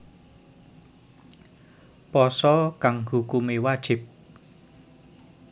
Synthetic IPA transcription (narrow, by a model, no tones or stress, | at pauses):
pɔsɔkaŋhukumewad̥ʒ̥ɪ̤p̚